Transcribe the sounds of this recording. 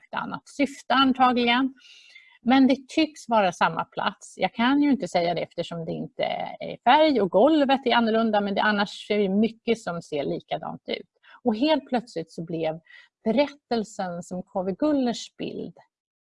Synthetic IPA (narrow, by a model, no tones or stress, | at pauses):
kt̪əa̰nːa̰t̪sʏft̪əant̪ʰɑːɡlɪɡən | mɛnd̪ɛt̪ʰʏksvɑːɾasamːa̰pʰla̰t̪sjɑ̰ːkʰanjɵɪnt̪əsɛjːad̪ɛɛft̪əʂɔmd̪ɛɪnt̪ə̰æ̰ɾfæɾjɔɡɔlvət̪æɾanːʊɭɵnd̪amɛnd̪ɛ̰ʔanːaʂɛvɛmʏkːəsɔmseːɭiːkad̪ɑ̰ːnt̪ʉ̟̰ːt̪ | ɔɦeːlt̪̚pʰlœt̪slɪt̪sɔblɛvb̥ɛɾɛt̪ːəlsənsɔmkʰɔvəɡɵlːəʂb̥ɪ̰ld̪